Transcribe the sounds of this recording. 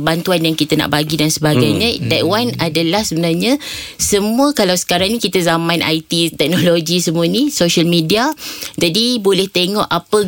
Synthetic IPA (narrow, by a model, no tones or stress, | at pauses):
bant̪uanjaŋkit̪əna̰ʔbaɡidansəbaɡajɲãd̪aʔwanadalahsəbənarɲãsəmũəkalawsə̥kaɾaŋnĩkit̪azamãnʔa̰jt̪it̪ɛk̚noloɡisəmũənĩsoʃalmidiad͡ʒadibolɛht̪eŋɔʔapə